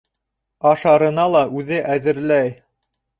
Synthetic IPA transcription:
ɑʃɑɾɤ̆nɑlˠɑʔʉðɘʔæðɘ̆ɾlæj

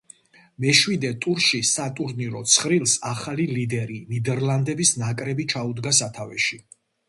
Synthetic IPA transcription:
mɛʃwid̪ɛt̪ʼuɾʃisat̪ʼuɾniɾɔt̪sʰχɾilˠsaχalilid̪ɛɾinid̪ɛɾlˠand̪ɛbisnakʼɾɛbit͡ʃʰaud̪ɡasat̪ʰavɛ̰ʃi

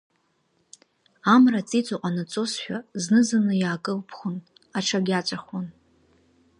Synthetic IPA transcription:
amrat͡sʼit͡sʼoqʷʼanat͡sʼo̞sħʷᶣaznɨzanɨjaːkʼɨlpʰχʷon | aʈ͡ʂʰaɡʲat͡ʃʷʼaχwon

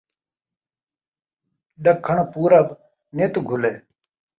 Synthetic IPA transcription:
ɗəkʰːəɳpuːɾəb | net̪uɡʱʊleː

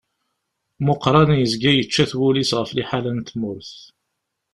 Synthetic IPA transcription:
mʊqɾˤɑnjəzɡæjət͡ʃːæθwulisʁəfliħalænt̪mʊɾθ

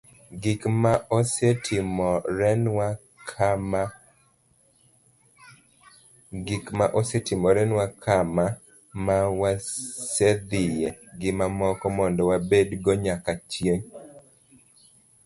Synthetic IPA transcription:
ɡɪkmaɔsetʰɪmɔɾɛnwa | kʰm | ɡɪkmaʔosɛtɪmɔɾɛnwakʰama | mawased̪ɪjɛɡɪmamɔkɔmɔndɔwabedɡɔɲakat͡ʃjeŋ

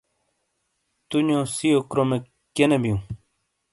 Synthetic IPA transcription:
t̪uɲõsiokɾome | kenebijũ

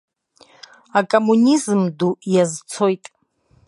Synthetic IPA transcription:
akʼomunizmdujazt͡sʰo̞jtʼ

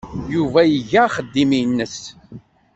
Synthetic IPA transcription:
juvæjəʝæχəd̪ːiminːəs

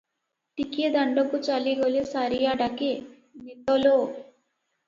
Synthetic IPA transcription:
t̪ikid̪ɐɳɖokut͡ʃɐliɡolisɐɾijaɖɐki | mit̪olo

